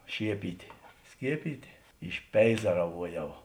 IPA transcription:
ˈʃʲiɛpʲiːtʲeː ˈsʲkʲiɛpʲiːtʲeː ɪʃʲˈpʲɛɪzɐrɐʋuɔˌjɛʊ

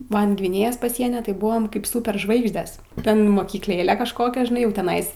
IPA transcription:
ˈmɐnʲ ɡʋʲɪˈnʲeːjoːs pɐˈsʲiɛnʲiː tɐɪ ˈbʊʋoːm kɐɪp suːpʲɛrˈʒʋɐɪɡʒʲdʲɛs ˈtʲɛn moːkʲiːkˈlʲeːlʲɛ kɐʃˈkoːkʲɛ ʒʲɪˈnɐɪ jɛʊ tʲɛˈnɐɪs

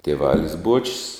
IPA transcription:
tʲiɛˈʋɑːlʲɪs ˈbuɔt͡ʃʲɪs

